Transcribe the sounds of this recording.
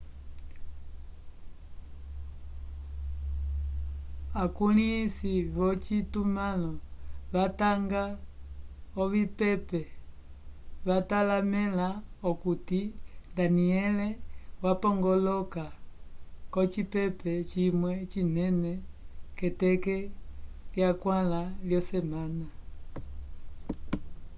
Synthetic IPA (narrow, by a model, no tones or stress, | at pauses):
akulisiβɔt͡ʃitumalɔβataŋɡa | ɔβipɛpɛ | βatalamɛlaɔkutindaniɛlɛwapɔŋɡɔlɔka | kɔt͡ʃipɛpɛt͡ʃimwɛt͡ʃinɛnɛkɛtɛkɛljakwalaljɔsɛmana